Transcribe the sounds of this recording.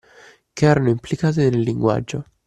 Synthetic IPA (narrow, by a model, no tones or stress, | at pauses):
keɛːɾanoimplikaːt̪enelːiŋɡwa̰d͡ʒːo